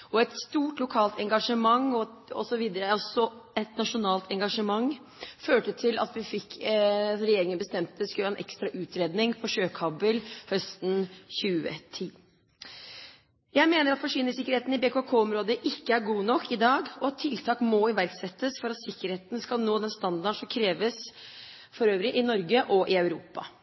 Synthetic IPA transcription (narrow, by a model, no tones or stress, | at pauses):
ɔɛt̪st̪uːʈlʊkʰɑːlt̪ʰɛŋɡɑʂəmɑŋɔɔ̰sɔʋiːd̪əɾəɔsɔɛt̪nɑʂʊnɑːlt̪ʰɛŋɡɑʂəmɑŋ | føːʈət̪ʰɪlʔɑ̰t̪ʋɪfɪk̪ː | ɾɛjeːɾɪŋənbəst̪ɛmt̪əskʉlɑːɛnʔɛ̰kst̪ɾɑʔʉːt̪ɾeːd̪nɪŋfɔʂøːkʰɑbəlhœst̪n̩çʉːə̰t̪ʰiː | jæɪmeːnəɾɑt̪fɔʂiːnəsɪkːəɾheːt̪n̩ɪbeːkokʰoːɔmɾoːd̪əʔɪkːəæɾɡuːnɔkːɪd̪ɑːɡɔɑt̪ʰːɪlt̪ʰɑːkmɔɪʋæɾɡsɛt̪ːəsfɔɾɑt̪sɪkːəɾheːt̪n̩skɑlnoːd̪ɛnst̪ɑnd̪ɑɳʂɔmkʰɾeːʋəs | fɔɾøːʋəɾɪʔɪnɔɾɡəʔɔʔɪɑʉɾuːpɑ̰